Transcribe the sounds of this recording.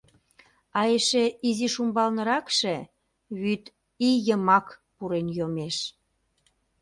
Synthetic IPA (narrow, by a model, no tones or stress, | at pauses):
ɑjeʃeiziʃumbɑlnə̆ɾɑkʃe | βyt̪ | ijəmɑkpuɾenjomeʃ